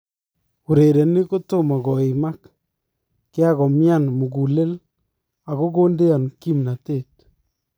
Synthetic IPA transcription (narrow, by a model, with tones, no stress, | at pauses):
u˨ɾe˨ɾɛ˨ni˦ko˦to˦˨ma˨ɡɔ˨i˨ma˦k | kɪ˦a˦ɣɔ˨mja˦˨nmu˨ɡu˨le˦l | a˨ko˦ɡo˦nde˦a˨nki˦mna˨te˦˨t̚